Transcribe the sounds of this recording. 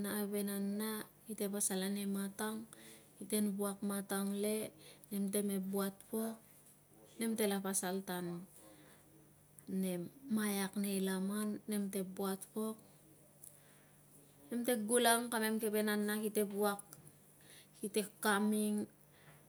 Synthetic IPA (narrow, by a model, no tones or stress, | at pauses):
naːβe̞nanːakite̞pasalanemataŋhite̞nbuakmataŋle̞ne̞mte̞me̞buat̚po̞k̚ | ne̞mte̞lapasaltan | ne̞mːajakne̞jlamanːe̞mte̞buatpo̞k̚ | ne̞mte̞ɡulaŋkame̞mke̞be̞nanːakite̞buak | hite̞kːamiŋ